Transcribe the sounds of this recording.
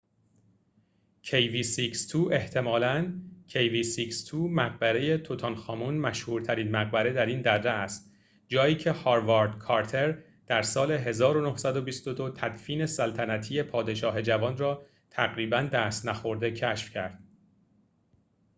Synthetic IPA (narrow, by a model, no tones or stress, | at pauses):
cʰejviːsikst̪ʰuːʔe̞ht̪ʰe̞mɒːlæncʰejviːsikst̪ʰuːmæɣ̚bæɾe̞je̞t̪ʰot̪ʰɒnxɒːmunmæʃhuːɾt̪ʰæɾiːnmæɣ̚bæɾe̞d̪æɾiːnd̪ærːeæst̪̚ | d͡ʒɒːiːcʰe̞hɒːɾvɒɾd̪kʰɒɾt̪ʰe̞ɾ | d̪̥æɾsɒːle̞ɦe̞zɒːɾo̞nohsæd̪o̞bist̪o̞d̪o̞t̪ʰæd̪fiːne̞sælt̪ʰænæt̪ʰiːje̞pʰɒːd̪e̞ʃɒːɦe̞d͡ʒævɒːnrɒː | t̪ʰæɣɾiːbænd̪æːst̪næxo̞ɾd̪e̞cʰæʃfcʰæɾd̪̥